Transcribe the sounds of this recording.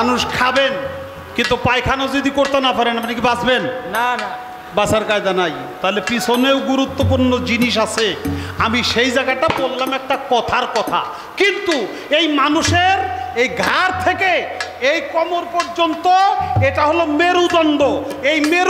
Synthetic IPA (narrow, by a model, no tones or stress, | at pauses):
anuʃkʰaben | kint̪upajkʰanad͡ʑod̪ikoɾt̪enapaɾenampnik̬ibad͡ʑbenn | basaɾkajd͡ʑanaj | t̪aɦlepisʰoneoɡuɾut̪ːopuɾnod͡ʑiniʃ̬asʰeamiʃejd͡ʑaɡaʈabolːamɛk̚ʈakɔt̪ʰaɾkɔt̪ʰa̰ | kint̪u | ejmanuʃeɾejɡʱaɾt̪ʰekeejkɔmoɾpoɾd͡ʑont̪oeʈaɦolomeɾud̪ɔnɖ̪oejmeɾ